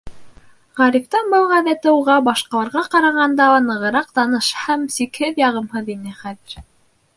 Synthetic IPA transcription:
ʁæɾift̪ɑbɤlˠʁæðæt̪ɘuʁɑbɑʃqɑlˠɑɾʁɑqɑɾɑʁɑnd̪ɑnɤ̆ʁɤ̆ɾɑq̚t̪ɑnɤʃhæmsikhɘðjɑʁɤ̆mhɤðinɘχæðɘ̆ɾ

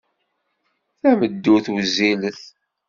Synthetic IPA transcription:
θæməd̪ːuθwziləθ

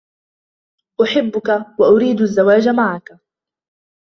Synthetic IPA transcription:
ʔʊħɪbːʊkawaʔʊɾiːd̪ʔazːawaːd͡ʒamaʕaka

